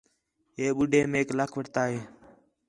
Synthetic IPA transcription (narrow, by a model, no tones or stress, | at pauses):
ɦeːɓʊɖʱeːmeːkləkʰʋəʈt̪aːɦeː